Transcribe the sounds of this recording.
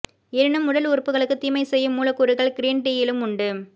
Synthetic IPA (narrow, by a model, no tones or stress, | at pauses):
ɛɾɪnɯmːʊɽɐlʊɾpːɯɣɐɭɯkːɯt̪iːmɐɪsɛjːɯmːuːlɐkːʊɾɯɣɐɭɡɪɾiːnʈiːjɪlɯmʊɳɖɯ